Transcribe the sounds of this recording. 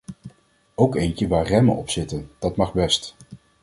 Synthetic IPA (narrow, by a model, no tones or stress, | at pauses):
owkejncəʋaːɹrɛmə̰ɔ̰psɪtənd̥ɑtmɑχbɛst